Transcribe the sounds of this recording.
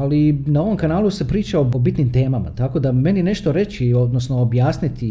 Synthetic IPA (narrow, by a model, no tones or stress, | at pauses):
alinao̞ʋo̞mkanaːlˠusepɾiːt͡ʃaoobit̪nimt̪e̞ːmama̰t̪ako̞d̪ame̞nine̞ʃt̪o̞ɾe̞t͡ʃio̞d̪nosno̞objaːsnit̪i